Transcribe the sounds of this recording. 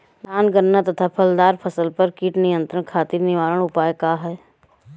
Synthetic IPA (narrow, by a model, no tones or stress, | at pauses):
naːnɡəɾnat̪ɐt̪ʰapʰɐld̪aːɾpʰɐsəlpɐɾkiːʈnɪjə̃nt̪ɾəɳ̃kʰaːt̪iːɾnɪʋaːɾəɽ̃ʊpaːjkaɦɛː